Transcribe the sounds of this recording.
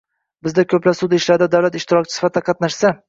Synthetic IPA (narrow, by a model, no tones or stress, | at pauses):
bɪzd̪akʲʰɵplasʊd̪ɪʃlaɾd̪ad̪awlat̪ɪʃt̪ʰɪɾɒkʲt͡ʃʰɪ̥sɪ̥fat̪d̪aqʰɑt̪naʃsa